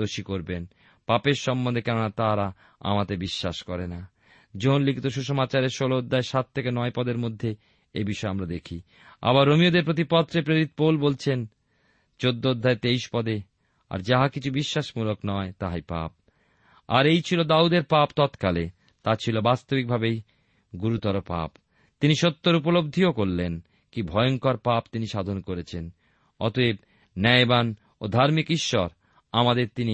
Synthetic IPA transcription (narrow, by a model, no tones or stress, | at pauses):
d̪oʃikoɾben | papeɾʃɔmbond̪ʱekɛɾonat̪aɾa | a̰mat̪ebiʃːaʃkɔɾena | d͡ʑoɦonlikʰit̪oʃuʃɔmat͡ɕaɾeɾʃolood̪ʱːaeʃat̪ʰːekenɔepɔd̪eɾmod̪ʱːe | ebiʃɔeamɾad̪ekʰi | a̰βaɾːomiod̪eɾpɾot̪̬ipɔt̪ːɾepɾeɾit̪̚polbolt͡ɕʰen | t͡ɕod̪ːood̪ʱːaet̪ejʃpɔd̪e | a̰ɾd͡ʑaɦakit͡ɕʰubiʃːaʃmuloknɔet̪aɦajpa̰p̚ | a̰ɾejt͡ɕʰilod̪aud̪eɾpapt̪ɔt̪kale | t̪at͡ɕʰilobast̪obik̚bʱabej | ɡuɾut̪ɔɾopa̰p | t̪iniʃot̪ːoɾup̬olob̚d̪ʱiokoɾːen | kibʱɔeoŋkaɾpapt̪iniʃad̪ʱonkoɾet͡ɕʰen | ɔ̰t̪oeb̚ | nɛjban | od̪ʱaɾmikiʃːɔɾ | amad̪eɾt̪ini